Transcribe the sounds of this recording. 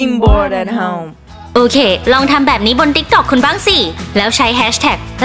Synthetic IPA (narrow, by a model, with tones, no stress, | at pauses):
imbɔ˧dɛ˧nɦɛm | ʔoː˧kʰeː˧lɔː˧ŋt̪ʰa˧mbɛː˨˩p̚niː˦˥bo˧nt̪i˦˥k̚t̪ɔ˨˩kʰːu˧nba˥˩ŋsi˨˩lɛː˦˥wt͡ɕʰa˦˥jɦɛː˦˥ɕt̪ʰɛː˨˩k̚